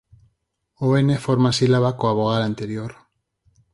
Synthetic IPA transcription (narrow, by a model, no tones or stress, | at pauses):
oenefoɾmasilaβakoaβoɣ̞aðant̪eɾjoɾ